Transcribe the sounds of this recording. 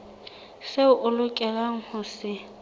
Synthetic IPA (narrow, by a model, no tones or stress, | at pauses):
seʊʔʊlʊkʼɛlaŋ̩hʊsɪ